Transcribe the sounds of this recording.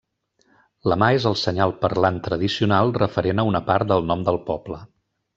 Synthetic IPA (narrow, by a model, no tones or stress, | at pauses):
ləmaezəlˠsəɲalˠpəɾlant̪ɾəð̞isiunalˠrəfəɾenəunəpaɾt̪̚d̪əlˠnɔmd̪əlˠpɔblə